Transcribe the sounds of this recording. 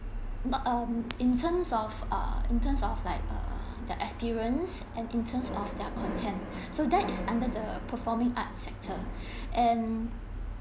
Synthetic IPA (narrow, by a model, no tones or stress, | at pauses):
nɔʌmĩntʰə̃msɔfʌ̰ĩntə̃msɔflaɪk̚ʌ̰ | dɛʔɛspiɹə̃ns | ʔɛ̃nĩntʰə̃msɔfdɛkʰɔ̃ntʰɛ̃nt | sodɛtisãndədəpʰəfɔmĩŋa̰t̚sɛk̚tʰə | ʔɛ̃n